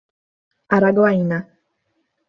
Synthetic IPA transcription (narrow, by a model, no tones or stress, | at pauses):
aɾaɡoaina